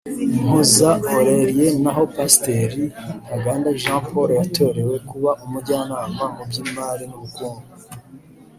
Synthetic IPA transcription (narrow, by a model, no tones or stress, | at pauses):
mozaoɾe̞ɾije̞naɦo̞paste̞ɾihaɡaːndaʒãːpʰo̞ɾojatʰo̞ɾe̞we̞kuβaʔumuɟaːnaːmamubɟimaːɾinuβukuːnɡu